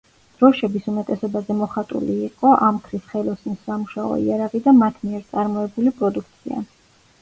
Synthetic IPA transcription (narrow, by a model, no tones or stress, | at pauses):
d̪̥ɾɔʃɛbisumɛt̪ʼɛsɔbazɛmɔχat̪ʼṵliːqʼɔʔamkʰɾisχɛlˠɔsnisːamuʃaɔ̰ḭaɾaʁid̪amat̪ʰmiɛɾt̪sʼaɾmɔɛbulipʼɾɔd̪ukʰt̪sʰia̰